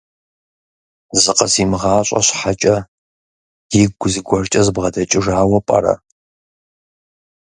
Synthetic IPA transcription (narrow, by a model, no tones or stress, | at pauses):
zɨqɐzimɨʁaːɕʼɐ̰ɕħat͡ʃʼɐ | jiɡʷʊziɡʷɔrt͡ʃʼɐzɨbʁɐdɐt͡ʃʼɪʒaːwɐpʼɐ̰ɾɐ̰